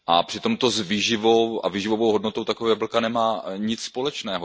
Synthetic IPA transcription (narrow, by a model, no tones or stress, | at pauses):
ʔapr̝̥ɪt̪o̞mt̪o̞zviːʒɪvowavɪʒɪvovowɦodnot̪owt̪akovɛjabl̩kanɛmaːɲɪt͡sspo̞lɛt͡ʃnɛːɦo